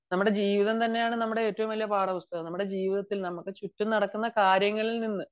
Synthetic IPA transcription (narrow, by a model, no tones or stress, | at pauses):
nɐmːuɽe̞d͡ʑiːʋiðɐmt̪ɐnːe̞jaːɳɨnɐmːuɽe̞oːtːɐʋumʋɐlijɐpaːɽɐʋust̪ɐɣɐmnɐmːuɽe̞d͡ʑiːʋiðɐt̪ːilnɐmukːɨt͡ɕutːumnɐɽɐkːunːɐkaːɾjɐŋːɐɭilninːɨ